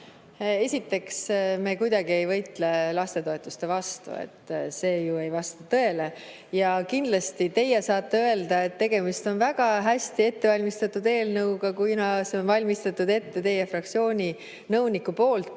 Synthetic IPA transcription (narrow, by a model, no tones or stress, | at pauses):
e̞sʲit̪ːˑe̞ksme̞ːkujd̪̥ɑɡ̥ie̞jvɤjt̪ˑle̞lɑst̪e̞t̪o̞e̞t̪ːˑust̪e̞vɑst̪ṵḛt̪ːse̞ːjue̞jvɑst̪ɑt̪ɤe̞le̞ | jɑkind̪lɑst̪it̪e̞jːɛsɑːt̪ːeø̞e̞ld̪ɑe̞t̪ːe̞ɡ̥e̞mist̪o̞nvæɡ̥ɑɦæsʲt̪ie̞t̪ːe̞vɑlʲmist̪ɑt̪ːˑud̪e̞ːlnɤwɡɑkujnɑseonvɑlʲmist̪ɑt̪ːˑud̪e̞t̪ːe̞t̪e̞jefrɑkt̪sio̞ːnʲi | nɤwnikːˑupo̞ːlt̪ːˑ